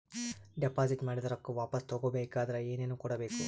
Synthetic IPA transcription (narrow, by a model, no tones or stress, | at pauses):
ɖepaːd͡ʒiʈmaːɽid̪ɐɾɐkːuʋaːpɐst̪oɡobeːkaːd̪ɐɾɐeːneːnukɔɽɐbeːku